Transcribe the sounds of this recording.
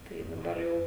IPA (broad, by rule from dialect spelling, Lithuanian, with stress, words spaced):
tɐɪ dɐˈbɐr jɛʊ